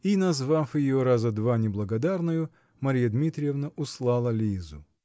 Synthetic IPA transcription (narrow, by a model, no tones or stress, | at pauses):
inɐzvafjɪjoɾazəd̪vanʲɪblˠəɡɐd̪arnɨjʊ | mɐɾʲijəd̪mʲit̪ɾʲɪjɪvnəʔʊslˠɑlˠəlʲizʊ̰